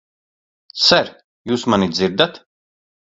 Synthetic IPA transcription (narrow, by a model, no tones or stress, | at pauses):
sɛɾ | juːsmanid̪ziɾd̪at̪